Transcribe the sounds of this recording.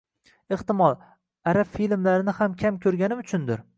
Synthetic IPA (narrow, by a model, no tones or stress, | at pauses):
ɪht̪ɪmɒlˠ | aɾabfilmlaɾɪnɪhamkʲʰamkʲʰɵɾɡʲanɪʊt͡ʃʰʊnd̪ɪɾ